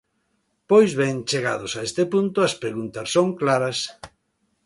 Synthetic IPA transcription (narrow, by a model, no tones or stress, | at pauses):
pojzβeŋt͡ʃeɣa̰ðosaest̪epunt̪ʊɐspɾeɣunt̪ɐssoŋklaɾɐs